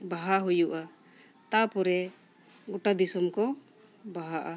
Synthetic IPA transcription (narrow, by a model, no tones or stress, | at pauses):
baɦaɦujuʔa | t̪apɔɾɛ | ɡɔʈad̪isɔmkɔ | baɦaʔa